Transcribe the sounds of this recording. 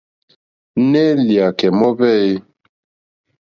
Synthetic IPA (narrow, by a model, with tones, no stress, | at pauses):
ne˦lja˨kɛ˨mɔ˦βɛ˦˨e˦